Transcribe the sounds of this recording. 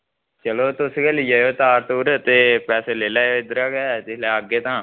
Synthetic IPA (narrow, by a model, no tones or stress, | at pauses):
t͡ʃəloːt̪ʊskeliːjaːjoːt̪aːɾt̪oːɾət̪eːpɛːseːleːlaːoːɪd̪əɾaːkɛːɛt̪ɪsleːəɡːeːt̪ãː